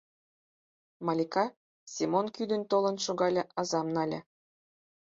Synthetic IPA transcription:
mɑlʲikɑ | sʲimonkyd̪ə̆nt̪olɤ̆nʃuɣɑlʲɤ̆ʔɑzɑmnɑlʲə̰̆

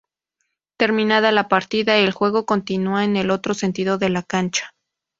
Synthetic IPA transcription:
t̪e̞ɾmĩnað̞alapaɾt̪iðaelxwe̞ɣ̞o̞ko̞nt̪inuaene̞lo̞t̪ɾo̞se̞nt̪ið̞o̞ðe̞lakant͡ʃḁ

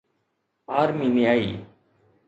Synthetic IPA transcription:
aːɾmiːnɪaːḭː

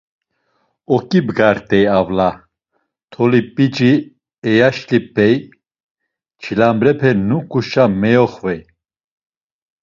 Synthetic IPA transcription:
ɔkʼibɡaɾt̪ʼɛjavla | t̪ʰɔlipʼit͡ʃʼi | ɛjaʃlip̚ʰɛj | t͡ʃʰilambɾɛpʰɛnukʼuʃamɛjɔχvɛj

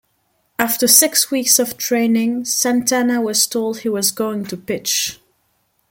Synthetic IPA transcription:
æftə˞sɪkswiksʌv̥tʰɹ̥ẽɪ̃nɪ̃ŋsæ̃ntʰænəwʌz̥tʰoʊlˠd̚hiwʌzɡoʊɪ̃ŋtʰɨpɪt͡ʃ

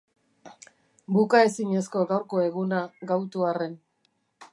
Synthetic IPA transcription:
bukae̞siɲe̞sko̞ɣawɾko̞e̞ɣunaɡawt̪uare̞n

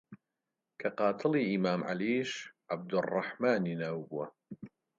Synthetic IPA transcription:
kʰɐqɑːt̪ʰɨliːimaːmʕa̰liːʃʕab̚d̪ʊrˤːɑħmaːniːnaːwbuwɐ

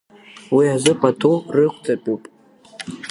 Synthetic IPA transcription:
wiazɨpʼatʰorɨχʷʰʼt͡sʼapʼupʼ

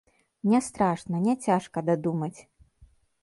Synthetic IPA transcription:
nʲɛst̪ɾaʂnɐnʲɛt͡sʲaʂkɐd̪ad̪umɐt͡sʲ

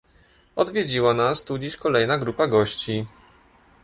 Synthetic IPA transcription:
ɔd̪vʲjed͡ʑiwanast̪ud͡ʑiɕkɔlɛjnaɡɾupaɡɔɕt͡ɕi

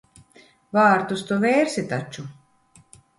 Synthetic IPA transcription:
vaːɾt̪ust̪uvɛːɾsʲit̪at͡ʃu

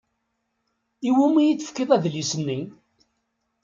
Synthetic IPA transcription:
iwumijit͡sːəfkːɪðˤæðlisənːi

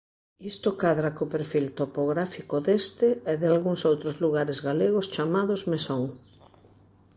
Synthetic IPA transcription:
ist̪okaðɾakopeɾfilt̪opoɣɾafikoðest̪ɪeðɪalɣuŋsowt̪ɾozluɣaɾɪzɣaleɣʊst͡ʃamaðʊzmesoŋ

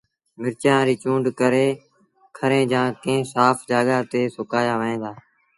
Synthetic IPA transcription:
mɪɾt͡ʃãːɾiːt͡ʃũːɳɖkəɾeː | kʰəɾẽːd͡ʒãːkẽɦsaːpʰd͡ʒaːɠaːt̪eːsʊkaːjaːʋəẽːd̪aː

